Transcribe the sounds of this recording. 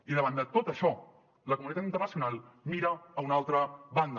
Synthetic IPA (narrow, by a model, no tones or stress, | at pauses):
iðəβ̞and̪ət̪ot̪əʃɔ | ləkumunit̪at̪int̪ərnəsiunalˠmiɾəːunalˠt̪ɾəβand̪ə